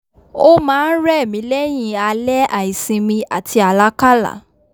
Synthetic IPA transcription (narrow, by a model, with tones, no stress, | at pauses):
o˦mãː˨˦n̩˦ɾɛ˦˨mĩ˨˦lɛ˦j̃ĩ˧a˧lɛ˦ʔa˨i˨sĩ˧mĩ˧a̰˨tʰi˧a˨la˦ka˦la̰˨